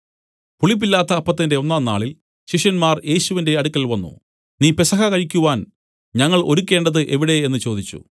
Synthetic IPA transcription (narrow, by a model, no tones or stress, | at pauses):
puɭip̬ːilːaːt̪ːɐːpːɐt̪ːinde̞o̞nːaːnːaːɭil | ɕiʂjɐnmaːrje̞ːɕuʋinde̞ɐɽukʲːɐlʋɐnːṵ | niːpesɐɣɐkɐɻikʲːuʋaːn | ɲɐŋːɐɭo̞ɾukʲːe̞ːɳɖɐðɨʔe̞ʋiɽe̞enːɨt͡ɕo̞ːd̪it͡ɕːṵ